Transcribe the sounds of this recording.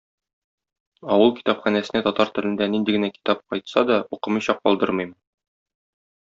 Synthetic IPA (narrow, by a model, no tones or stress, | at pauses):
ɒwɤlˠki̥t̪ɑpχænæsɘ̆næt̪ɒt̪ɑɾt̪ɵ̆lɘ̆nd̪ænind̪iɡɘ̆næki̥t̪ɑp̚qɒjt̪sɑd̪ɒuqɤ̆mɤjɕɑq̚ːɒlˠd̪ɤɾmɤ̆jm